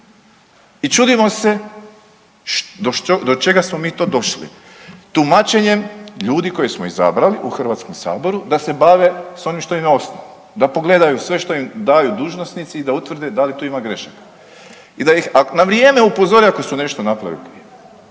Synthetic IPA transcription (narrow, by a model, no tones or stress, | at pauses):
it͡ʃud̪imo̞se̞ | ʃd̪oʃod̪o̞t͡ʃe̞ɡasmo̞miːt̪o̞d̪o̞ʃlḭ | t̪umat͡ʃe̞ɲe̞mʎuːd̪iko̞jesmoiza̰bɾaliʔuxr̩ʋat̪skomsa̰ːbo̞ɾud̪ase̞baʋe̞so̞nimʃt̪oimeo̞snao | d̪apo̞ɡle̞d̪ajusʋe̞ʃt̪o̞imd̪ajud̪uːʒnosnit̪siːd̪aut̪ʋrd̪ed̪alit̪uimaɡɾe̞ʃakḁ | id̪ajixanaʋɾijeːme̞upo̞zo̞ɾiako̞sune̞ʃt̪o̞napɾaʋilikɾi